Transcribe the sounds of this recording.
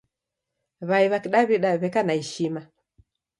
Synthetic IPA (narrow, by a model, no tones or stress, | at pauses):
βaiβakiɗaβiɗaβɛkanaiʃima